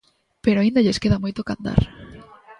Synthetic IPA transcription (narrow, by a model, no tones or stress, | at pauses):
peɾoaĩnd̪aʎeskeðamojt̪okand̪a̰ɾ